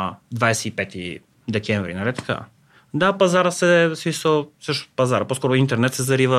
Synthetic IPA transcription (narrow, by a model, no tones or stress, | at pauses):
d̪vajsɛipɛt̪ḭ | d̪ɛkʲɛ̃ɱvɾḭnɐɾɛt̪kə̰ | d̪apɐzaɾəsɛsmisəsɤʃt̪ʊ̥pɐzaɾəposkɔɾʊint̪ɛɾnɛt̪sɛzɐɾivə